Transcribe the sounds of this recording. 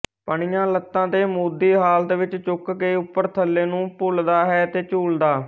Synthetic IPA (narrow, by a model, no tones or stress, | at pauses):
pəɳɪjãːlət̪ːãːd̪eːmuːd̪iːɦaːlt̪ʋɪt͡ʃt͡ʃʊkkeːʊpːəɾt̪ʰəlːeːnũːpʊld̪aːɦɛːt̪eːt͡ʃuːld̪aː